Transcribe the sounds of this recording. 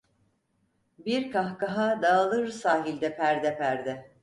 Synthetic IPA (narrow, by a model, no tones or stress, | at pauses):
biɾkʰahkaɦad̪aːlˠɯɾɯsaːɦilʲd̪ɛpʰæɾd̪ɛpʰæɾd̪ɛ